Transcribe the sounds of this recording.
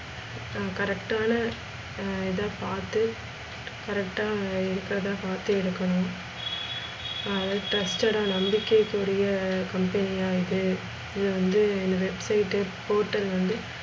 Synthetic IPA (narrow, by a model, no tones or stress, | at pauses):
kɐɾɛkʈaːnɐ | ɛðãːpaːt̪ɯ | kɐɾɛk̚ʈaːɪɾɯkːɪɾɐðãːpaːt̪ɯɪɽɯkːɐnʊ̃ | ɐðɐʈɐsʈɐɽãːnɐmbɪkːekːʊɔɾɐjɐkɐmpɐnɪijaːjɪðɯ | ɪðɯʋɐnd̪ɯɪnd̪ɐʋɛbsɐɪʈːɯpoːʈːɐlʋɐnd̪ɯ